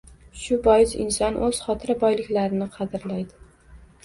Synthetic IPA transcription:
ʃʊbɒjɪzɪ̰nsɒnʔɵz̥χɒt̪ʰɪɾabɒjlɪkʲlaɾɪnɪqʰɑd̪ɪɾlajd̪ɪ

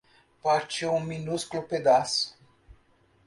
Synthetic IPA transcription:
pat͡ʃeunminuskoloped̪as

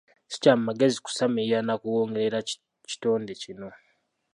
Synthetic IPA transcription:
si̥camumaɡe̞ziku̥samijanakuwoːŋɡeɾeɾa | ci̥to̞ːndecino̞

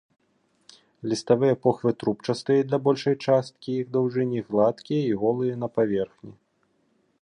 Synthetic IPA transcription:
lʲist̪avɨjɐpɔxvɨt̪ɾup̚t͡ʂɐst̪ɨjɛd̪lʲɐbɔlʲʂɐjt͡ʂast̪̚kʲiiɣd̪awʐɨnʲiɣlˠat̪kʲijɐiɣɔlˠɨjɐnɐpavʲɛrxnʲi

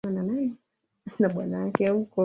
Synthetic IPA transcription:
ananajɛ | naɓwanajakɛukɔ

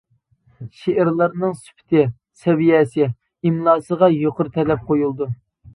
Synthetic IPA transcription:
ʃeʔɪɾlˠəɾnɨŋsy̥pʰɪ̥t̪ʰɪ | sɛvijɛsɪ | imlˠɑːsəʁɑjoqʰʊɾt̪ʰɛlɛp̚qʰojulˠd̪u

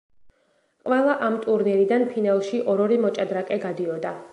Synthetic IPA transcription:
qʼvɛlˠaʔamt̪ʼuɾnɛɾid̪anpʰinalˠʃiʔɔɾɔɾimɔt͡ʃʼad̪ɾakʼɛɡad̪iɔd̪a

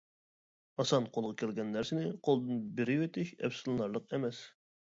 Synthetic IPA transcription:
ɑsɑnqʰolˠʁɑkʲʰɛlɡʲɛnːæɾsɪnɪqʰolˠd̪ɨnbɪɾɪwet̪ɪʃɛ̰fsɨlˠlˠɑɾlˠəqɛmɛs

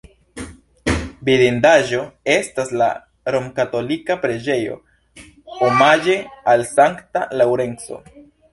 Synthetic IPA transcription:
biɾindaʒo̞e̞stasla̰ | ɾomkato̞likapɾe̞d͡ʒe̞jo̞̰ | omad͡ʒe̞alsaŋktalawɾe̞nso̞̰

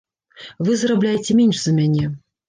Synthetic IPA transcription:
vɨzrablʲajet͡sʲɛmʲenʲʂzɐmʲanʲɛ

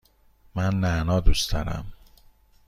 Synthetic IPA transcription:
mænːænɒːd̪ust̪ʰɒ̰ɾæ̰m

